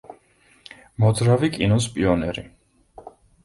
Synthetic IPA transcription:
mɔd̪ɾavikʼinɔspʼiɔnɛɾi

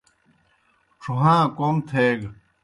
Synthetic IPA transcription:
ʈ͡ʂʰuɦãːkomt̪ʰeːɡ

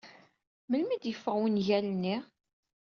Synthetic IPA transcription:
məlmid̪jəfːəʁwənʝælənːiʁ

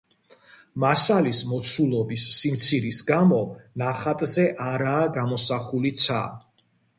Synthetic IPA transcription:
masalismɔt̪sʰulˠɔbisːimt̪sʰiɾisɡamɔnaχat̪ʼzɛʔaɾaːɡamɔsaχulit̪sʰa̰

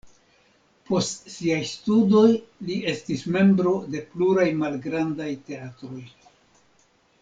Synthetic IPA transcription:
po̞stsiajstudo̞jlie̞stisme̞mbɾo̞de̞pluɾajmalɡɾandajte̞atɾo̞j

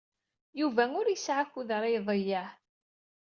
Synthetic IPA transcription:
juvæŋʊɾjəsʕakːuðɾˤɑjðˤəjːaħ

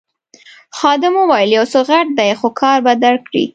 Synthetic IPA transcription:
xɑd̪ɪmowajɪljawsoɣaʈ̚d̪ajxokʰɑɾbad̪alkɽḭ

